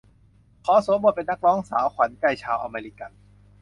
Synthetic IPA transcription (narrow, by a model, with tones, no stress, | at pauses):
kʰɔː˨˦so˨˦mwa˧˥˩pe˧nːa˦˥k̚ɾɔː˦˥ŋsa̰ː˩˦wkʰwa˨˩˦nka˧˩jt͡ɕʰaː˧wʔa˧meː˧ɾi˦˧˥ka˧n